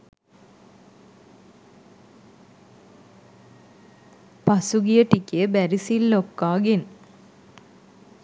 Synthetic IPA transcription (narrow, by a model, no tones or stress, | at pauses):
pɐsuɡijɐʈːikʲːebɐɾisilːokːaːɡin